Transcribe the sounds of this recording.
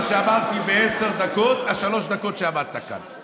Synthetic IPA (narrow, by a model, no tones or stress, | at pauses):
ʃeamaʁt̪ibeeseʁd̪ako̞t̪aʃalo̞ʃd̪ako̞t̪ʃeamad̪̚t̪aka̰n